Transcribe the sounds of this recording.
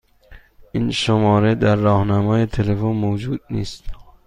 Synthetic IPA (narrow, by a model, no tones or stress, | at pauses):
ʔinʃomɒːɾed̪æɾːɒːhnæmɒːjet̪ʰelefonmod͡ʒuːd̪̚nḭːst̪